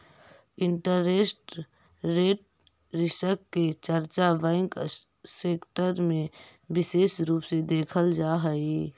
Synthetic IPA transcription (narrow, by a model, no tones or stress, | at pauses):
ɪɳʈəɾeːsʈ | ɾeːʈ̚ | ɾɪsəkːet͡ʃəɾt͡ʃaʋɛ̃ːŋk | seːkʈəɾmẽ | bɪseːʃɾuːpsed̪eːkʰəld͡ʒaːɦəi